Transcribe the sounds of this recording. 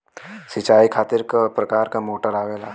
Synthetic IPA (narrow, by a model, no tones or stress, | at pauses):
sɪt͡ʃaːikʰaːt̪ɪɾkpɾɐkaːɾkamoːʈəɾaːʋeːla